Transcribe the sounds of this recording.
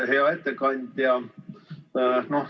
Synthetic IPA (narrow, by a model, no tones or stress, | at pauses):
he̞ɑet̪ːekɑnʲd̪̥jɑ | noh